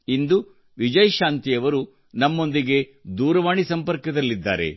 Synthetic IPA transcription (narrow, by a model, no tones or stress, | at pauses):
ind̪u | ʋid͡ʒɐjʃaːnt̪ijɐʋɐɾu | nɐmːo̞nd̪iɡe̞d̪uːɾɐʋaːɳisɐmpɐɾkɐd̪ɐlːid̪ːa̰ːɾe̞̰